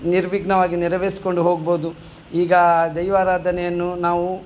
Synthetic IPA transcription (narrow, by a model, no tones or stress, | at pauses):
niɾʋiɡnɐʋaːɡiniɾɐʋeːsi̥koɳɖuɦo̞ːɡ̚boːd̪u | iːɡɐd̪ɐjʋaːɾaːd̪ɐnɛjɐnːunaːʋu